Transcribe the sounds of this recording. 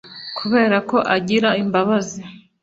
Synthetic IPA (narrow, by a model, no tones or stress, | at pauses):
kʰuβe̞ːɾako̞ʔaɟiɾaimbaβazi